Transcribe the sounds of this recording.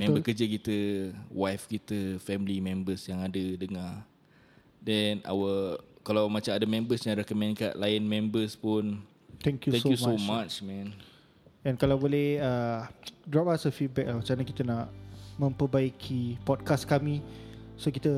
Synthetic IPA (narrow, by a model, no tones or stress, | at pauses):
mɛ̃mbəkəd͡ʒəkit̪əwajfkit̪əfɛmlimɛ̃mbəsjaŋadədəŋa | dɛna̰wəkalawmãt͡ʃamadəmɛ̃mbəsɲãɾɛkəmɛ̃nka̰ʔlaɪnmɛ̃mbəspʊn | t̪ɛ̃ŋkjuɛ̃skjusmomat͡ʃmɛ̃n | ɛ̃nkalawbolɛhə | dɾɔp̚asəfit̚bɛk̚lat͡ʃanakit̪ənãʔmə̃mpəbaikʰipɔd̚kaskamĩsokit̪ə